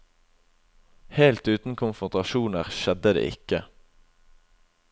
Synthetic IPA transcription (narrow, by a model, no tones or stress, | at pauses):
heːlt̪ʉːt̪n̩kʰʊnfʁʊnt̪ʁɑʃuːnəʁʃɛd̪əd̪ḛːʔɪ̰kə